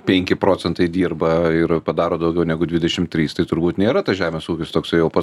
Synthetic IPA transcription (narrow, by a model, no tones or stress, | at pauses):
pʲɛŋʲkʲɪpɾoːt͡s̪ʲɛnt̪ɐɪd̪ʲiːrbɐɪɾpɐd̪ɑːɾoːd̪ɐʊɡʲɛʊnʲɛɡʊdʲʋʲɪdʲɛʃʲɪmt̪ʲɾʲiːst̪ɐɪt̪ʊɾbuːt̪nʲeːɾɐt̪ɐsʒʲæːmʲeːsuːkʲɪst̪oːksɐɪjɛʊpɐ